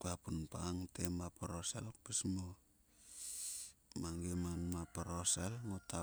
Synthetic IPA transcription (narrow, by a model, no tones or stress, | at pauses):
kuapunpaŋtemapaɾosa̰lok̚pesmo | maŋɡemanmapaɾosalŋotʰa